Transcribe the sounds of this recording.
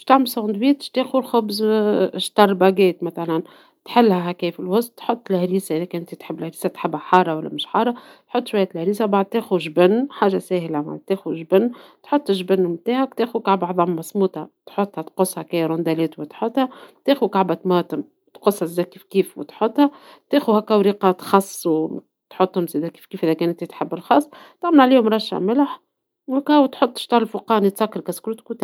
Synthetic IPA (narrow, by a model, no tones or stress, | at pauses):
ʃt̪aʕmɪlsɑʕnd̪wiːt̪ʃt̪eːxulxʊbzʃt̪ɑrˤbæɡɛːt̪mæθælæn | t̪ħɪlːhæɦækɛːfɪlwʊst̪t̪ħot̪ˤːlhɾiːsaʔðækɪnʔɪnt̪it̪ħɪbːlhæɾiːsæt̪ħɪbːhæħɑːrˤɑwælːæ̰mɪʃħɑːrˤɑt̪ħot̪ːˤʃwæjːæːt̪lhæɾiːsabaʕd̪̚t̪eːxuʒbɪnːħaːʒasæːhlæma̰ʕd̪̚t̪eːxuʒbɪnːt̪ħot̪ˤːʒbɪnːmt̪aːhækt̪eːxukaʕbʕðˤɑmːɑsˤmuːt̪ɑt̪ħot̪ˤːhɑt̪qʊsˤhɑkæɾˤʊnd̪ælɛːt̪wɪt̪ħot̪hæt̪eːxukaʕbæt̪mɑːt̪ɪm | t̪qosˤːɑzd̪æːkiːfkiːfwɪ̰t̪ħot̪ːˤhæ | t̪eːxuhækːæwɾiːqɑt̪xɑsˤːw | t̪ħot̪ˤːhʊmzæd̪æki̥ːfkiːfʔiðækɛːnt̪ɪt̪ħabːɪlxɑːsˤt̪æʕmnʕliːhʊmɾˤɑʃːa̰mɪlħ | wkæwt̪ħot̪ˤːʃt̪ˤɑːɾlfʊqɑːnit̪sɑkːɑɾkæskɾuːt̪kut̪æ